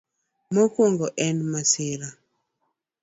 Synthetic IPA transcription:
mɔkwoŋɡɔʔɛnmasɪɾa

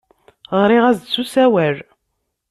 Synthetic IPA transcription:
ʁɾiʁæzd̪t͡sːusæwæɾ

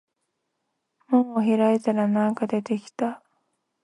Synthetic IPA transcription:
mõɰ̃oçiɾaet̪aɾanãŋkad̪e̞t̪e̞kʲi̥t̪a

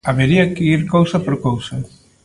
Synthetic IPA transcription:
aβeɾiɐkɪiɾkowsɐpoɾkowsɐ

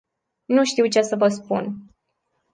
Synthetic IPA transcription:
nuʃt̪iwt͡ʃe̞səvəspun

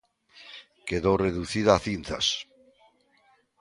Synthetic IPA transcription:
keðoreðuθiðaːθinθa̰s

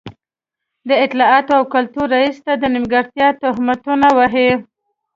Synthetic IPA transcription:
d̪əɪt̪lɑɑt̪oawkalt̪uɾːaist̪ad̪ənɪmɡaɾt̪jɑt̪ʊɦmat̪unawaɦe

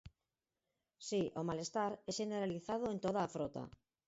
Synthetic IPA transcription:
siʔomalest̪aɾɛʃeneɾaliθað̞oent̪oð̞aːfɾot̪a̰

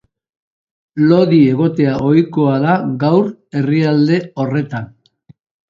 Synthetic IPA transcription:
lo̞ðie̞ɣ̞o̞t̪e̞aʔo̞jko̞aðaɡawɾe̞riald̪e̞o̞re̞t̪an

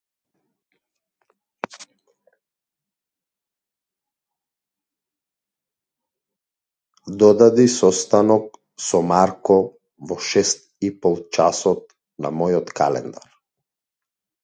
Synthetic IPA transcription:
d̪ɔd̪ad̪isɔst̪anɔk̚ | sɔmaɾkɔ | vɔʃɛst̪̚ | ipɔlˠt͡ʃasɔt̪̚ | na̰mɔjɔt̪kalɛ̰nd̪aɾ

